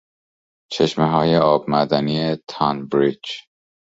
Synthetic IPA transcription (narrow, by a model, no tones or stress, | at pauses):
t͡ʃʰeʃmeɦɒːje̞ɒːb̚mæd̪æniet̪ʰɒnbɾid͡ʒ